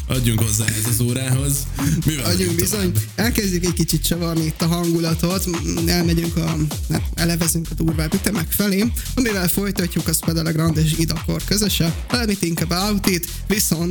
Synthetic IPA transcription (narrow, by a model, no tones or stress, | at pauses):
ʔɒɟːuŋkho̞zːa̰ːɦɛzɒzoːɾaːɦo̞z | miɒɟːuŋɡbizo̞ɲɛlkɛzɟykɛckit͡ʃit̪̚t͡ʃɒvɒrniit̪ːɒɦɒŋɡulɒt̪o̞t̪ɛlmɛɟyŋkɒɛɛlɛvɛzyŋkɒd̪uːrvaːbyt̪ɛmɛkfɛleːɒmivɛlfo̞jt̪ɒcːukɒspɛd̪ɛlɛɡrɒnd̪eːʃ̬id̪ɒko̰rkø̞zø̞ʃɛ | ɒlɛmit̪iŋkabaut̪it̪ | ʋiso̞nt̪